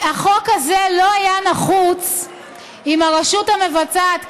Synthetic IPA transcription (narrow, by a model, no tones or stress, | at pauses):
aχo̞kazelo̞ajanaχut͡s | imaʁaʃuthame̞vat͡sat̪